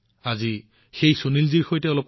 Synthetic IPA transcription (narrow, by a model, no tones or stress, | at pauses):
azi | xejsonilziɹxojtɛɔlɔp̚